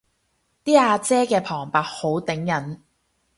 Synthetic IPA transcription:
t̪iː˥aː˧t͡sɛː˥kɛː˧pʰɔː˨˩ŋpaː˧t̚ho˨˥wt̪ɪ˨˥ŋjɐ˨˥n

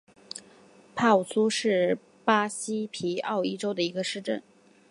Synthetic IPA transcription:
pʰa˥˩u˨˩su˥ʂɻ̩˥˩ | pa˥ɕi˥pʰi˧˥ɑ˥˧ʊi˥ʈ͡ʂo˥ʊd̪ə˨i˧˥ɡə˧ʂɻ̩˥˧ʈ͡ʂə̰˥˩n

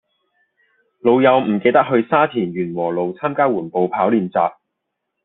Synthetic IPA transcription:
lo˨˧wjɐ˨˧wm̩˨˩ke˧jt̪ɐ˥k̚hɵ˧ɥsaː˥t̪ʰiː˨˩nɥyː˨˩nwɔː˨˩lo˨wt͡sʰaː˥mkaː˥wuː˨˩npo˨˧wpʰaː˨˥wliː˨˧nt͡sa̰ː˧p̚

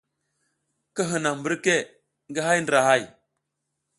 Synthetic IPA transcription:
kə˦ɦə˨na˨mbə˦ɾke˦ | ŋɡə˦ɦa˦jndɾa˨ha˦j

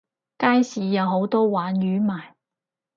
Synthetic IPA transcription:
kaː˥jsiː˨˧jɐ˨˧wɦo˨˥wt̪ɔː˥waː˨˥njyː˨˥maː˨˩j

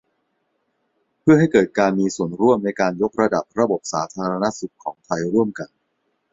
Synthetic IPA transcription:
pʰɯ˥˩ɐɦa˥˩jkɤː˨˩t̪̚kaː˧nmiː˧su˨˩ənɾu˥˩əmna˧jkaː˧njo˦˥k̚ɾa˧da˨˩p̚ɾa˧bo˨˩p̚saː˩˦t̪ʰaː˧ɾa˧na˦˥su˨˩kʰːɔː˩˦ŋt̪ʰa˧jɾu˥˩əmka˧n

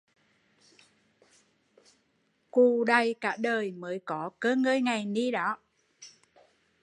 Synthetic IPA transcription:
ku˨˩ɗa˨˧˩jkaː˧˥ɗəː˨˩jməː˨˦jkɔ˨˦kəː˧ŋəː˧jŋa˨˩jni˧ɗɔ˨˦

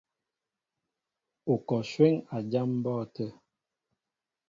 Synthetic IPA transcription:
o˨kɔ˨ʃwɛ˦ŋa˨d͡ʒa˦m˦bɔ˦˨tə˦

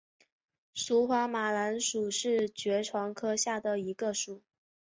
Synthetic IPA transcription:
su˧˥xwa˧˥ma˨˩la˧˥nʂu˨˩ʂɻ̩˥˩t͡ɕɥɛ˧˥ʈ͡ʂʰwɑ˧˥ŋkʰɤ˥ɕja˥˩d̪ə˩i˧˥ɡə˧ʂu˨˩˦

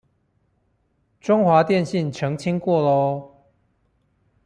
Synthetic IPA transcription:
ʈ͡ʂʊ˥˦ŋxwa˨˦t̪jɛ˥˨nɕi˥˨nʈ͡ʂʰɤ˨˦ŋt͡ɕʰi˥˦ŋkwɔ˥˨lɔ˦

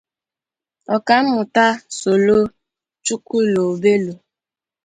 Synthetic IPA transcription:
ɔ˨ka˦m̩˦mʊ˨ta˦so˨lo˦ | t͡ʃu˦ku˦lo˨be˦lo˨

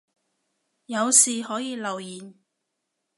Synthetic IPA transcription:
jɐ˨˧wsiː˨hɔː˨˥jiː˨˧lɐ˨wjiː˨˩n

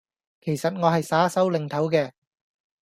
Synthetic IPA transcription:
kʰe˨˩jsɐ˨t̚ŋɔː˨˧ɦɐ˨jsaː˨˥sɐ˨˥wlɪ˨˧ŋt̪ʰɐ˨˥wkɛː˧

